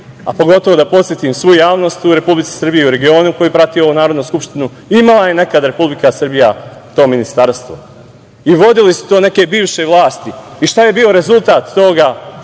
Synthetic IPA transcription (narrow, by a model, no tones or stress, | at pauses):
a̰po̞ɡo̞t̪oʋo̞d̪apo̞t̪sjet̪iːmsʋujujaːʋno̞ːst̪uɾe̞publit̪si̥sr̩bijeuɾe̞ɡio̞ːnuko̞jipɾat̪io̞unaːɾo̞d̪nuskupʃt̪inu | imalˠaje̞ne̞kad̪ɾe̞publikasr̩bijat̪o̞ːminist̪aɾst̪ʋo̰ | iʋo̞d̪ilisu̥t̪o̞ːne̞ke̞biːʋʃe̞ʋlˠaːst̪iiʃt̪aje̞biːo̞ɾe̞zulˠt̪aːt̪ːo̞ɡa